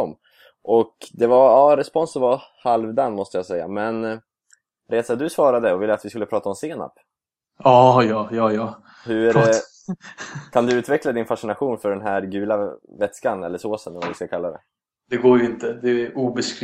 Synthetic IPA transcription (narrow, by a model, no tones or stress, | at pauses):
ɔmː | ʔɔkd̪ɛvaɑːɾɛspɔnsɔvahalvd̪anːmɔst̪əjasɛjːa̰mɛn | ɾeːt̪sad̪ɵsvɑːɾad̪əɔvɪlːəat̪vɪskɵlːəpʰɾɑːt̪aɔmseːna̰pː | ɑːjɑːjɑːjɑː | hɵæɾɛ | kʰand̪ɵʉ̟ːt̪vɛklad̪ɪnfaʂɪnaɧuːnfœɖɛnɦæɾɡʉ̟ːlavɛt̪skanɛlːəsoːsənɛlvad̪ɪskakʰalːad̪ɛ̰ | d̪ɛɡoːɾjɪnt̪əd̪ɛʔuːbɛskɾ